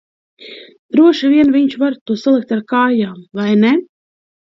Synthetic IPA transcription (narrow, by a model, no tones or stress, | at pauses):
d̪̥ɾuɔʃiviɛnviɲt͡ʃvaɾt̪uɔsalˠik̚t̪aɾkaːjaːmvajnɛ